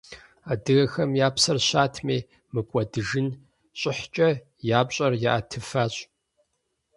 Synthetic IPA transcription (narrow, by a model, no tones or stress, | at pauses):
aːdɨɣɐxɐmjaːpʰsɐrɕaːtʰmeː | mɨkʷʼɐdɨʒɨn | ɕʼɪħt͡ʃʼɐ | jaːpɕʼɐrjaʔatʰɨfaːɕʼ